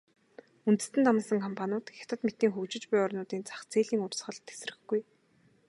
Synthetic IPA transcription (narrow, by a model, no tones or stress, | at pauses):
unt̪ɘ̥̆st̪ɘ̆nt̪ʰɔmə̆sə̆ŋkʰɔmpʰanʊːt̪xʲḁt̪ə̆t̪met̪ːiːŋxɵkt͡ɕɪ̆t͡ɕpʊjɔrnʊːt̪iːnt͡sʰḁχt͡sʰeːɮiːŋʊrsχə̆ɮt̪ʰːe̥s̆rɘ̆xɡuj